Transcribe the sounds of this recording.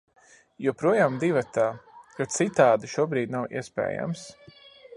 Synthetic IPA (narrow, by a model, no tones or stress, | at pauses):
jupɾuɔjaːmd̪ivat̪aːkat̪sit̪aːd̪iʃuɔbɾiːd̪nawḭɛspɛ̰ːja̰ms